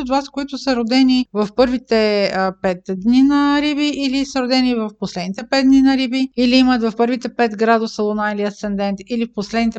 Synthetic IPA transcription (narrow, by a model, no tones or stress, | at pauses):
od̪vaskoit̪ʊsəɾod̪ɛnivɐfpɤɾvit̪ɛpɛt̪d̪ninɐɾibiʔːlisɐɾod̪ɛnivɐfposlɛd̪nit̪ɛpɛd̪ninɐɾibiiliimət̪vɐfpɤɾvit̪ɛpɛt̪ɡɾad̪osɐlˠonailiɐsɛnd̪ɛnt̪ilifposlɛd̪nit̪ɛ